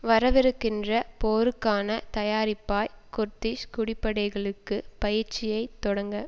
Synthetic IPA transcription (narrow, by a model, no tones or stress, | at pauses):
ʋɐɾɐʋɪɾɯkːɪndrɐpoːɾɯkːaːnɐt̪ɐjaːɾɪpːaːjkʊɾt̪ɪskʊɽɪpːɐɽɐɪɣɐɭɯkːɯpɐjɪɾt͡ʃɪjɐɪt̪ːɔɽɐŋɡɐ